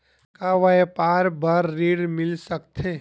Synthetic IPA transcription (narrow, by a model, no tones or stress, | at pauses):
kaʋɐpaːɾbaɾːiːɽmɪlsɐkt̪ʰeː